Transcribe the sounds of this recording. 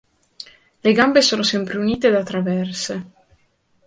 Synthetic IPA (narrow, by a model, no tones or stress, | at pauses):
leɡambesoːnosɛmpɾeuniːt̪ed̪at̪ːɾavɛrse